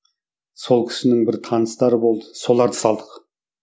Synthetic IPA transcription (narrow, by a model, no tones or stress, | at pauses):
so̞lˠkʲʰɪ̥ʃɪnɪŋbɪɾt̪ʰɑnəst̪ɑɾəbo̞lˠd̪əso̞lˠɑɾd̪ə̥sɑlˠd̪əq